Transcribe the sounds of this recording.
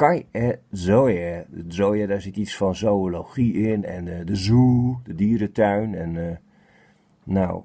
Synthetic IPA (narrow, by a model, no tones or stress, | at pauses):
kajɛzojɛzojədɔsɪtisfɔnzowoloxiɪnɛ̰ndəzuːdədiːəɾətʰœɥnɛn | a̰w